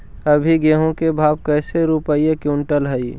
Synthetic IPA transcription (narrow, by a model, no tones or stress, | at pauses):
əbʱiɡeːɦõkebʱaːb̚kɛːseɾupəijekuʊɳʈəlɦəi